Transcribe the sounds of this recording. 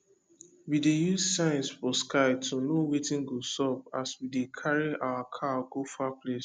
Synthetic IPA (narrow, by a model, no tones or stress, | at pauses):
widejuzsãɪ̃nsfɔskʰaɪtʰunowetĩnɡosɔp̚aswidekʰaɹiawakʰaɡofaples